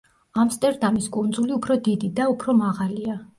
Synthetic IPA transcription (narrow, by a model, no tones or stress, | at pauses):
amst̪ʼɛɾd̪ʼamiskʼund̪zuliupʰɾɔd̪id̪id̪aupʰɾɔmaʁalia